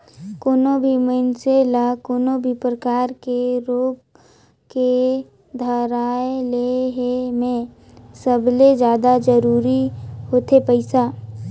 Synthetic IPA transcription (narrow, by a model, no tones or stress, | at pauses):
koːnobʱimənselakoːnobʱipɾəkaːɾkeɾoːb | ke | d̪ʱəɾaːeleɦemẽ | səbled͡ʒjaːd̪ad͡ʒəɾuːɾihoːt̪epəɪsaː